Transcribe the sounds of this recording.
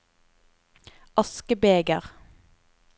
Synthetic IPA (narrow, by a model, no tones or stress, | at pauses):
ʔɑskəbeːɡəʁ